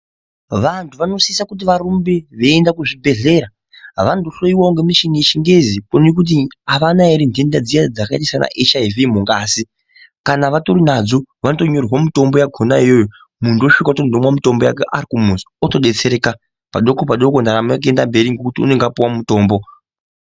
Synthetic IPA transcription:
ʋantʰuʋano̞siisakut̬iʋarumbeʋeːndakuʐibʱe̞ɮe̞ːɾa | ʋandoɬoiwaoŋɡemiʃiŋɡeʃiŋɡezikonek̬ut̬iaʋanaeɾindendad͡zijad͡zakaitisana̰ʔeʃaivimuŋɡaːsi | kanaʋatoɾinad͡zo̞ʋanoto̞ɲo̞rwamito̞mbo̞jaɡʱonaijo̞jo | mundoʃukautondomwamito̞mbo̞ja̰kḛʔa̰rkumus | oto̞ɗet͡seɾeːka | pa̰ɗo̞kopaɗokondaɾamak̬endambe̞ɾiŋɡokutiṵneŋɡapuwammuto̞ːmbo̞

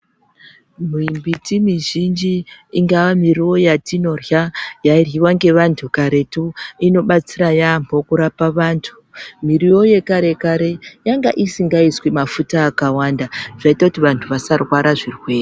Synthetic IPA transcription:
m̤imbitimiʒind͡ʒiːŋɡaʋamiriwo̞jatino̞rjajairjiwaŋɡe̞ʋantʰukaɾe̞tuino̞ɓat͡siɾajamo̞kuɾapaʋaːntʰu̥miriwo̞je̞kaɾe̞kaɾe̞jaŋɡa̰ʔisiŋɡaiswimafutaːkawandaʐ̥aitakutiʋantʰuʋasarwaɾaʐirwe̞ːre

